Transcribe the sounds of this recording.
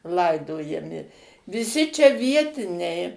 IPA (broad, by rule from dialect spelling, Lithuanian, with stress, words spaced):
ˈlˠɐɪdoːjɛmʲɪ ʋʲɪˈsʲɪ t͡ʃʲɛ ˈʋʲiɛtʲɪnʲɛɪ